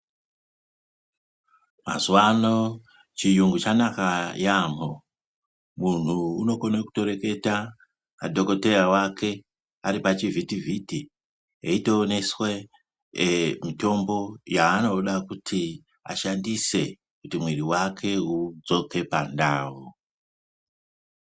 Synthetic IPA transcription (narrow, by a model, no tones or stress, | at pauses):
ma̰zuwano̞ | t͡ʃijuŋɡut͡ʃanakajaːmo | mun̤uːno̞koneku̥to̞ɾe̞ke̞ta | madʱo̞ko̞te̞jawakʰe̞ | aɾipat͡ʃivʱitivʱiti | ḛito̞ːne̞swe | mito̞mbo̞jaːno̞ɗakutʰi | a̰ʃandise̞ | kutimweɾiwakʰe̞ud͡zo̞kʰe̞pandaːwo